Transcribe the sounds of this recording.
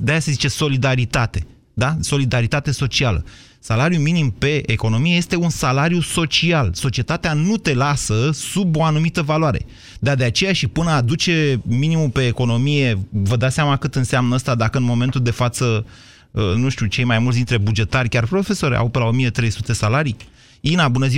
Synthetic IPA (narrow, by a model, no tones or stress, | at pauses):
d̪eajase̞zit͡ʃe̞so̞lid̪aɾit̪at̪e̞ | d̪aso̞lid̪aɾit̪at̪e̞so̞t͡ʃialə̰ | salaɾjuminimpe̞ʔːko̞no̞mije̞je̞st̪e̞unsalaɾjuso̞t͡ʃialso̞t͡ʃie̞t̪at̪eanut̪e̞lasəsubo̞anumit̪əvalwaɾe̞̰ | d̪ad̪e̞at͡ʃe̞jaʃipɨnəad̪ut͡ʃeminimupe̞ːko̞no̞mije̞vəd̪aseamakɨt̪ɨnseamnəəst̪ad̪akəɨnmo̞me̞nt̪uld̪e̞fat̪sə | ənuʃt̪ʲut͡ʃe̞jmajmult̪sd̪int̪ɾe̞bud͡ʒe̞t̪arʲkʲarpɾo̞fe̞so̞ɾʲa̰wpelao̞mije̞t̪ɾe̞jsut̪esalaɾi | inabunəzi